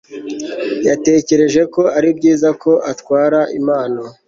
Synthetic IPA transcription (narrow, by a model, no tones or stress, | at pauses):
jate̞ːce̞ɾe̞ʒe̞ko̞aɾibɟiːzakʰo̞ʔatwaːɾaʔimaːno